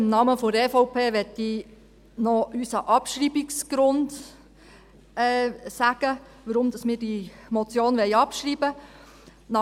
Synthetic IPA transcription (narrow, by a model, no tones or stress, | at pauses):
ɪmnɑməfoɾɛfɔʊpʰeːʋɛtːi | nɔysɑʔɑpʃɾiːbiksɡ̥ɾʊnd | ɛːsæɡ̥ə | ʋəɾʊmd̥̪ɑsmɪːɾd̥imɔt͡sjoːnʋɛɪɑpʃɾiːbə | nɑ